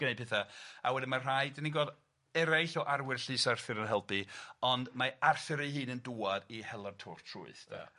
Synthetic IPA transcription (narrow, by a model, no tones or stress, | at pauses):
ɡ̥ənej̚pʰɪθaa̰wɛdimar̥ajdəniŋɡɔːd | ɛɾajɬɔʔarwɪrɬɨsarθɨɾənɦɛlˠpʰiɔndmaarθɪɾiɦɨːnənduːadihɛlˠartʰʊrtʰrṵɨθdʰa̰